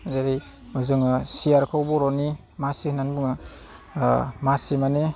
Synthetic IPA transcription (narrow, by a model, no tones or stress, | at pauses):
zaɾi | mɯzɯŋɯsiaɾkʰawbɔɾɔni | masihʰnanbɯŋɯ | masimane